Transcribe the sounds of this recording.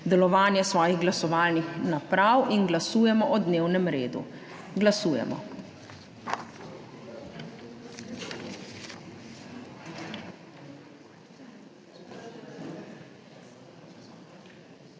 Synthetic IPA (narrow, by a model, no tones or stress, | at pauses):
d̪ɛlɔʋaːnjɛsʋɔːjiɣɡlasɔʋaːlnixnapɾawʔinɡlasuːjɛmɔʔɔd̪neːwnɛmɾḛːd̪ṵ | ɡlasuːjɛ̰mɔ̰